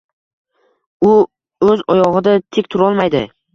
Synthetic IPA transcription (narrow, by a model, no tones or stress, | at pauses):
ʊ | ɵzɒjɒʁɨd̪at̪ʰekʲt̪ʰʊɾɒlˠmajd̪ɪ